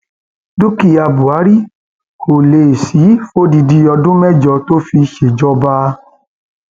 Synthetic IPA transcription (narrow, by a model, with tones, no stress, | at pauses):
du˦ki˧a˧bu˨a˨˦ɾi˦ | kʰo˨le˨si˨˦fo˦di˧di˧ɔ˧dũ˦mɛ˦d͡ʒɔ˧to˦fi˧ʃe˨d͡ʒɔ˧ba˦